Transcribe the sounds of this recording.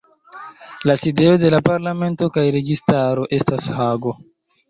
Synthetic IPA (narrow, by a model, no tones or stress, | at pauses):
laside̞o̞de̞lapaɾlame̞nto̞kajɾe̞ɡistaɾo̞ʔe̞stashaɡo̞